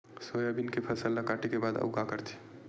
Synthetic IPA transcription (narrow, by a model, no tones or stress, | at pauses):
sojabɪnkepʰɐsəlːakaːʈikebaːd̪ɐ̰ʊkakəɾt̪ʰi̥